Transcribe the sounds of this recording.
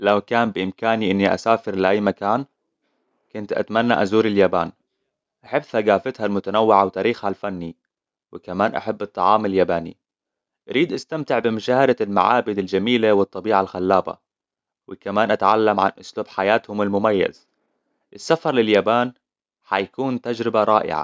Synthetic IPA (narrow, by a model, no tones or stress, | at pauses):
lawkaːmbɪʔɪmkaːniʔɪnːiʔa̰saːfɪɾlɪʔajːmakaːn | kʊnt̪ʔa̰t̪manːa̰ʔazuːɾɪljaːbaːn | ʔaħɪbθaɡaːfɪt̪halmʊt̪anawːɪʕawt̪aːɾiːxhalfanːi | wɪkamaːnʔa̰ħabːɨt̪ˤːɑʕɑːmɪljaːbaːnḭ | ʔaɾʔiːd̪ʔast̪amt̪ɪʕbɪmʊʃaːhad̪alma̰ʕaːbɪd̪ɪld͡ʒamiːlawɨt̪ˤːɑbiːʕalxalːaːba̰ | wɪkamaːnʔat̪ʕalːamʕa̰nʔʊsluːbħajaːt̪hʊmɪlmʊmajːa̰z̥ | ʔɪsːafɑɾˤlɪljaːbaːn | ħajakuːnt̪ad͡ʒɾɪbaɾˤɑ̰ːʔɪ̰ʕa̰